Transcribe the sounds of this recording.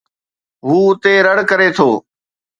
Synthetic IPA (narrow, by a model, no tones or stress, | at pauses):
ɦuːʊt̪eːɾəɽ̤kəɾeːt̪ʰoː